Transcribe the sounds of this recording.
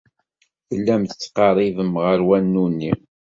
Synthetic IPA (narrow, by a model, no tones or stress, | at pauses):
θəlːæmθət͡sːqɑɾˤiðəmʁəɾwænːunːi